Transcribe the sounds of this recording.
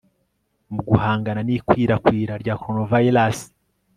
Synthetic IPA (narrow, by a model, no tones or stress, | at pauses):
muɡuhaːŋɡananiːkwiːɾakwiːɾaɾɟaːkoɾonovajilas